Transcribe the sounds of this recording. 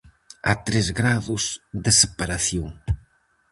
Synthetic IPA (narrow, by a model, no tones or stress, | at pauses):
a̰t̪ɾezɣɾaðʊzðɪsepaɾaθjoŋ